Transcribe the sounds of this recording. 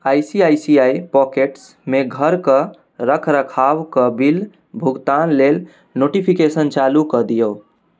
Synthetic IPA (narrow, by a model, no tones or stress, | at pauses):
ajsiajsiaipɔkeʈs | meɡʱəɾkə | ɾəkʰɾəkʰawkəbil | bʱuɡt̪anlel | noʈipʰikesənt͡ʃalukəd̪ijow